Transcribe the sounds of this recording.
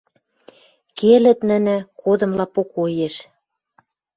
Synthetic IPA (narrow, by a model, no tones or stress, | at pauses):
kelɘ̆t̪̚nə̆nɘ̆kod̪ɤ̆mlɑpokojeʃ